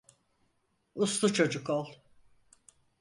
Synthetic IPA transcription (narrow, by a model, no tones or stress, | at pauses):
uslˠut͡ʃʰo̞d͡ʒukolˠ